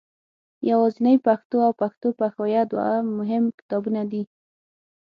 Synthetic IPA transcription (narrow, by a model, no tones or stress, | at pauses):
jawɑzinəjpaxt̪oawpaxt̪opaxajad̪wa̰amʊɦɪmkɪ̥t̪ɑbunad̪i